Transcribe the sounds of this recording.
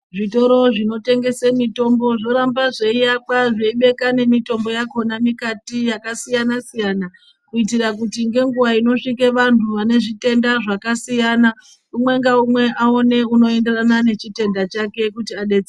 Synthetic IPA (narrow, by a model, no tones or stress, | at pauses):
ʐito̞ɾo̞ʐino̞te̞ŋɡe̞semito̞mbo̞ʐo̞ɾambaʐeijakwaʐeiɓe̞kane̞mito̞mbo̞jako̞namikatijakasijanasijana | kuitirakutiŋɡe̞ŋɡuʋaino̞ʂikeʋantʰuʋane̞ʐite̞ndaʐakasijana | umwe̞ŋɡaumwe̞ʔao̞ne̞uno̞e̞nde̞ranane̞t͡ʃite̞ndat͡ʃake̞kutiaɗe̞d͡ze